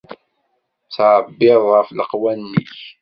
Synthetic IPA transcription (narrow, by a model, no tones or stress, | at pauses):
t͡sʕəbːɪðˤʁəfləqwænːiç